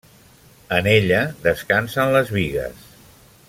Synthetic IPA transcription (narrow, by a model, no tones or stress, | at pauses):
əneʎəðəskansənləzβiɣə̰s